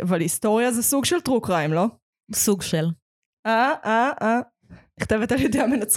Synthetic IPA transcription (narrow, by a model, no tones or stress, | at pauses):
ʔavalist̪o̞ʁjazesuɡʃelt̪ʁukʁaimlo̞ | suɡʃel | ʔaʔaa | niχt̪evet̪aljedeamenat͡s